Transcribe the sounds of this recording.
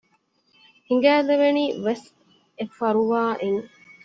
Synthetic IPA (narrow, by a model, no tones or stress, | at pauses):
hiŋ̆ɡæːleʋeniːʋes | efɐɾuʋaːʔeŋ